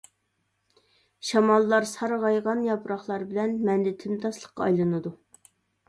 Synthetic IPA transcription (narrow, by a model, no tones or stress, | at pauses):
ʃɑmɑlˠːɑɾsʰɑɾʁɑjʁɑnjɑpʰɾɑχlˠɑɾbɪlɛnmɛnd̪ɪt̪ʰɪmt̪ʰɑslˠəχqːɑ̰ːjlˠɨnɨd̪u